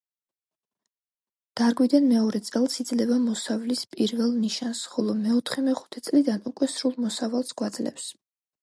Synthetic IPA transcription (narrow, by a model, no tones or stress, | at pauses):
d̪̥aɾɡwid̪anmɛɔɾɛt̪sʼɛlˠsid̪zlɛvamɔsavlispʼiɾvɛlˠniʃansχɔlˠɔmɛɔt̪ʰχɛmɛχu̥t̪ʰɛt̪sʼlid̪anukʼwɛsɾulˠmɔsavalˠsɡ̥wad̪zlɛ̰ps